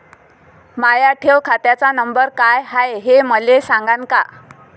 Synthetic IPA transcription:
majaʈʰewkʰat̪jat͡sanəmbəɾkajɦajɦeməlesãŋɡanka

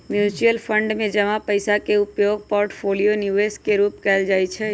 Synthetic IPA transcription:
mjuːt͡ʃijəlpʰəɳɖmẽd͡ʒəmapəɪsakeʊpjoːɡ̚poːɾʈpʰoːlijonjuːeːskeɾuːpkɛld͡ʒaːit͡ʃʰɛ

